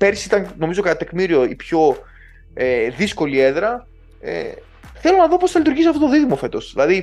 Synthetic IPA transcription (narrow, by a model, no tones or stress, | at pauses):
peɾsiit̪ɐŋno̞mizo̞kɐt̪ɐt̪e̞kmiɾio̞ipço | eðisko̞lieðɾɐ | ḛ | θe̞lo̞nɐðo̞po̞sθɐlit̪uɾʝisɐft̪ot̪oðiðimofe̞t̪o̞sðilɐði